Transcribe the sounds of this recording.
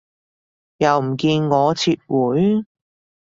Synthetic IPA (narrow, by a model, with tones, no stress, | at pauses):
jɐ˨wm̩˨˩kiː˧nŋɔː˨˧t͡sʰiː˧t̚wuː˨˥j